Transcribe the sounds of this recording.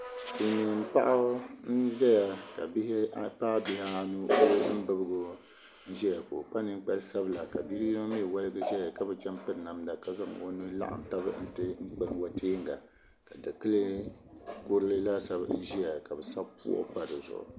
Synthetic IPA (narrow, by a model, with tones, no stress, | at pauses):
ti˨ɲi˨ŋɨ˨m˨pa˦ʔa˦n̩˦ʒɛ˦ja˨ka˨bhpaː˦bi˦ha˦nu˦ʔo˦lɨ˦bɨ˦bɨ˦ɡo˦ | n̩˦ʒɛ˦ja˨ko˨k͡pa˦nɨ˦ŋ˦k͡pa˦lsa˦bla˨ka˨bi˦ɾi˦i˦o˦mi˦˨wa˦lɨ˦ɡɨ˦ʒɛ˦ja˨ka˦bɛ˨t͡ʃa˦mpɨ˦ɾna˨mda˨ka˨za˦ŋ˨o̰˦nu˦la̰˦ʔa̰˨m˨ta˦bɨ̰˦n̩˦tɨ˦ŋ͡m̩˦k͡pɨ˦nwa˦tʰeː˦ŋɡa̰˨ | ka˨dɨ˨kɨ˦lɨ˦ | kʊ˦ɾɨ˦lɨ˦la˦sa˦bn̩˦ʒi˦ja˨ka˨bɛ˨sa˦bpṵ˦ʔʊ̰˦pa˦dɨ˨zʊ̰˨ʔʊ̰˨